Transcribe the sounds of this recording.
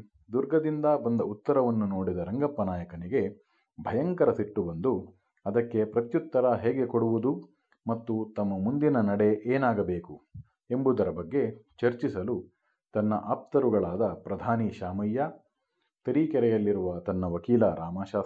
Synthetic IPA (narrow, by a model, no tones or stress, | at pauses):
d̪uɾɡɐd̪ind̪ɐbɐnd̪ɐut̪ːɐɾɐʋɐnːuno̞ːɽid̪ɐɾɐŋɡɐpːɐnaːjɐkɐniɡe̞ | bʱɐjɐŋkɐɾɐsiʈːubɐnd̪u | ɐd̪ɐkːe̞pɾɐt̪jut̪ːɐɾɐɦeːɡekoɽuʋud̪u | mɐt̪ːut̪ɐmːɐmund̪inɐnɐɽe̞ʔeːnaːɡɐbe̞ːku | embud̪ɐɾɐbɐɡːe̞t͡ʃɐɾt͡ʃisɐlu | t̪ɐnːɐʔaːp̚t̪ɐɾuɡɐɭaːd̪ɐpɾɐd̪ʱaːniʃaːmɐjːɐ | t̪ɐɾikɛɾɛjɐlːiɾuʋɐt̪ɐnːɐʋɐkiːlɐɾʔaːmaːʃaː